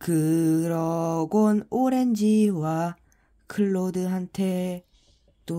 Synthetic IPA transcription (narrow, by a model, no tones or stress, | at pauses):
kɯɾʌɡonoɾe̞nd͡ʑiwa | kʰɯɭːodɯɦantʰe̞ | t͈o